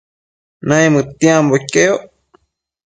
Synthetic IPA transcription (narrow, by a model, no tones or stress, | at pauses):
nãĩmɨ̃t̪ĩãmbokeo